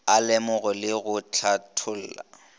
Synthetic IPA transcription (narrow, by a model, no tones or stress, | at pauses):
alɛmʊɣɔlɪɣʊt͡ɬʰatʰʊl̩ːla̰